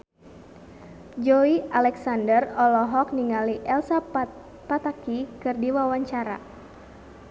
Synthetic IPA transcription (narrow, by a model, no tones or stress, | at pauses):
d͡ʒɔialɛksandərɔlɔɦɔk̚niŋaliʔɛlsa | pat̪akikɨrdiwawaɲt͡ʃaɾa̰